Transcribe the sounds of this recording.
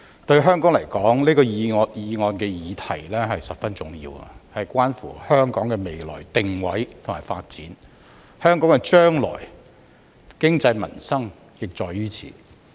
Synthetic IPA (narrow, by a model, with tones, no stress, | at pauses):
t̪ɵ˧ɥɦœː˥ŋkɔː˨˥ŋlɐ˨˩jkɔː˨˥ŋliː˥kɔː˧jjiː˨˧ŋɔː˧nkɛː˧jiː˨˧t̪ʰɐ˨˩jlɛː˥ɦɐ˨jsɐ˨p̚fɐ˥nt͡sʊ˨˩ŋjḭː˧wɐ̰˨hɐ˨jkʷwʷaː˥nfṵː˨˩hœː˥ŋkɔː˨˥ŋkɛː˧me˨jlɔ̰ː˨˩jt̪ɪ˨ŋwɐ˨˥jt̪ʰʊ˨˩maː˨˩fa̰ː˧t̚t͡siː˨˥n | hœː˥ŋkɔː˨˥ŋkɛ˧t͡ʃœː˥ŋlɔ̰ː˨˩j | kɪ˥ŋt͡sɐ˧jmɐ̰˨˩nsɐ˥ŋ | jɪ˨k̚t͡ʃɔː˨˩jːyː˥t͡sʰḭː˨˩